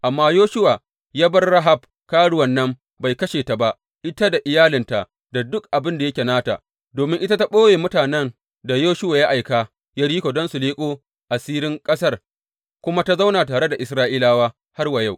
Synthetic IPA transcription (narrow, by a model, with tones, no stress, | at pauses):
ʔa˨mːaː˦joː˦ʃʊ˦wa˨ | jaː˦bɐ˦rːa˦ɦa˨b̚ | kaː˦ɽʊ˦wɐ˨nːɐ˦m | ba˨jkɐ˦ʃeː˨ta˨ba˦ʔ | ʔɪ˦ta˦da˨ʔɪ˨jaː˦lɪ˨nta˨ | da˨dʊ˦k̚ʔa˨bɪ˦nda˨jɐ˦kʲe˨naː˦ta̰˨ | doː˨mɪ˦ŋʔɪ˦ta˦ta˦ɓoː˦weː˨mʊ˦taː˨nɛ˦n | da˨joː˦ʃʊ˦waː˨ja˦ʔa˨jkaː˨ | ja˦ɽiː˦kʷoː˨dɔ˦nsu˨liː˦kʷʼoː˦ | ʔa˨siː˦ɾɪ˦ŋkʼɐ˦sɐ˦r | kʷʊ˦ma˦ta˦za˦wnaː˨taː˨ɽe˦da˨ʔɪ˨sɾaː˦ʔiː˦laː˦waː˦ | ha˦rwa˨ja˦w